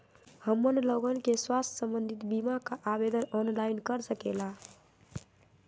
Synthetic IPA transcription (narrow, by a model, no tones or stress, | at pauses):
həmːənloɡənkeswast̪ʰsəmbənd̪ʱit̪bimakaʔabed̪ənɔnlainkəɾsəkela